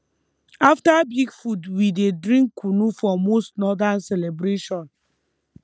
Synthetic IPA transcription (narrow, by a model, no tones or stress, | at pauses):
aftabiɡfudwidedɹĩŋkʰːunufɔmostnɔdansɛlɛbɾeʃɔ̃n